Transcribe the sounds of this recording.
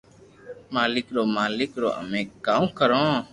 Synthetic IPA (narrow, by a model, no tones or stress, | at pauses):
maːlɪkɾoːmaːlɪkɾo̰ːʔə̰mẽːkaːũːkəɾõː